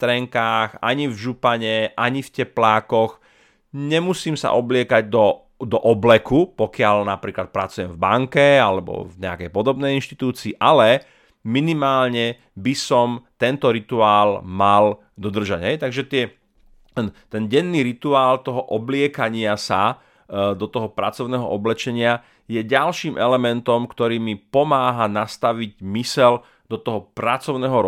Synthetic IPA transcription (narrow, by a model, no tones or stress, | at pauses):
st̪ɾɛŋkaːxa̰ɲivʒupaɲɛʔaɲifcɛplaːkɔx | ɲɛmusiːmsa̰ʔɔblɪɛkaɟ̚d̪ɔ | d̪ɔʔɔblɛkupɔkɪalnapɾiːklat̪̚pɾat͡sujɛmvbaŋkɛalɛbɔ̰vɲɛa̰kɛjpɔd̪ɔbnɛjinʃt̪i̥t̪uːt͡siːʔalɛ | minimaːlɲɛ | bisɔmt̪ɛnt̪ɔɾit̪uaːlmal | d̪ɔd̪r̩ʒaɟɦɛjt̪aɡʒɛt̪ɪɛ | ɛnt̪ɛnɟɛnːiːɾit̪uaːlt̪ɔɦɔʔɔblɪɛkaɲɪasa | d̪ɔt̪ɔɦɔpɾat͡sɔʊnɛːɦɔʔɔblɛt͡ʃɛɲɪa | jɛɟalʃiːmʔɛlɛmɛnt̪ɔmkt̪ɔɾiːmipɔmaːɦanast̪aʋiɟmisɛl | d̪ɔt̪ɔɦɔpɾat͡sɔʊnɛːɦɔɾ